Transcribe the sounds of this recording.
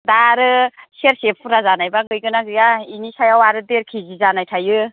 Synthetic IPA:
daɾɯseɾsepʰuɾazanajbaɡɯjɡɯnaɡɯjainisajawaɾɯdeɾkʰizizanajtʰajɯ

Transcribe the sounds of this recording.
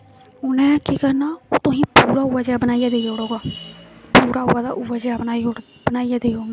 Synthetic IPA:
ʊnɛ̃ːkiːkəɾnaːoːt̪õːɦĩːpuːɾaːuːaːd͡ʒjaːbənaːijaːd̪eːd͡ʒoːɽoːɡaːpuːɾaːuːaːd̪a̰ːʔʊːaːd͡ʒjaːbənaːi | bənaːijaːd̪eːd͡ʒoːɡaː

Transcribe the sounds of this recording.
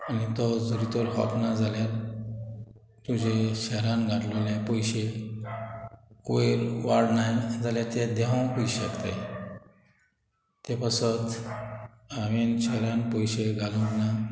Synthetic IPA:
anit̪ɔd͡zuɾit̪ɔɾɦɔ̰pnad͡zʱaljaɾ | t̪ud͡ʑeɕɛɾãnɡʱaʈluljapɔjɕe | koeɾʋaɽnajd͡zaljaɾt̪ed̪ɛɦãwkuiɕəkt̪a̰j | t̪epasət̪ | aʋenɕɛɾãnpɔjɕeɡʱalũɡna

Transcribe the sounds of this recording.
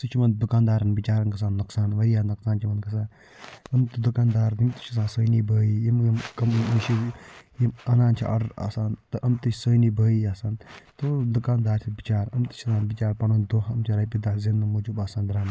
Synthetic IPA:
sɨt͡ʃʰimɐnd̪ukaːnd̪aːɾɐnbit͡ʃaːɾɐnkɐs̬ãːnːuksaːnʋɐɾijaːnɐksaːnt͡ʃʰimɐnkɐsãːn | ɐmt̪ɨd̪ukaːnd̪aːɾd̪imt̪u̥t͡ʃʰɐs̬ãːnsəːjnibəːijimjimkɐmiʃijimɐnaːnt͡ʃʰḭʔɐ̰ɖɐɾa̰ːsaːnt̪ɨʔɐmt̪ɨt͡ʃʰsəːjniːbʱəːiaːsaːnt̪od̪ukaːnd̪aːɾt̪ʲʰibit͡ʃaːɾɐmt̪ɨ̥t͡ʃʰɐsãːnbit͡ʃaːɾpɐɳoːnd̪oɦɐmt͡ʃʰɐɾɐjpid̪aːzenːɐmoːd͡ʒubaːsãːnd̪ɾaːm

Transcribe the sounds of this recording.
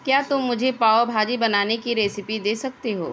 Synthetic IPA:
kjaːt̪ʊmːʊd͡ʒʱepaːobʱaːd͡ʒibɐnaːnekiɾeːsɪpid̪eːsɐk̚t̪eɦo̰ː

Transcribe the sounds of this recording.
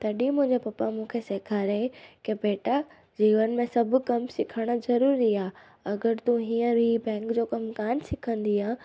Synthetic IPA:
t̪ɐɗĩmʊ̃ɦɪ̃ɲd͡ʑepɐpamũːkʰeseːkʰaːɾekebeːʈa | d͡ʑiːʋənmẽsɐbʱʊkɐmsɪkʰəɽ̃ə̆zɐɾuːɾiaː | ɐɡəɾt̪ũɦiːə̃ɾiːbɛ̃ːŋkd͡ʑoːkɐmkaːnsɪkʰə̃nd̪iãː

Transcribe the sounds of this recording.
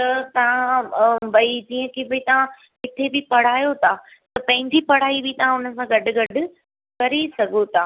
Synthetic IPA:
t̪ɐt̪ɐʋ̤ãbɐid͡ʑĩːə̃kʰebɐit̪ɐʋ̤ã | ɦɪt̪ʰebɪpɐɽ̤aːjot̪ʰaː | t̪ɐpɐ̃ɦɪ̃ɲd͡ʑipɐɽ̤aːibɪt̪ɐʋ̤ãʊnə̆sãɡɐɖʊ̆ɡɐɖʱʊ̆ | kɐɾesɐɡʱot̪ʰaː

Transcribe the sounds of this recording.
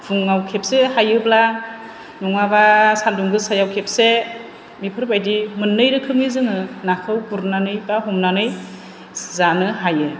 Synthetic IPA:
buŋːawkʰep̚sehajɯbla | nuŋabasanduŋɡɯsajawkʰep̚se | mipʰɯɾbajdimɯnːɯjɾɯkʰɯmizɯŋɯnakʰɯwbuɾnanɯjbaɦɔmnanɯj | zanɯɦajɯ

